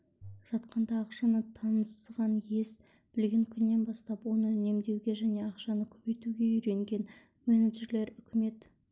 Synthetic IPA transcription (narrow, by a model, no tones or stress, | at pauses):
ʒ̥ɑt̪qɑnd̪ɑːqʃɑnət̪ʰɑnəsʁɑnje̞s | b̥ɪlɡʲe̞ŋkʲʰʏnːe̞nbɑst̪ɑpwo̞nəne̞md̪e̞wɡʲe̞ʒæne̞ɑqʃɑnəkʲʰɵbe̞jt̪uɡʲe̞ʏɾe̞ŋɡʲe̞n | meneʒe̞ɾle̞ɾʏkʲɪme̞t̪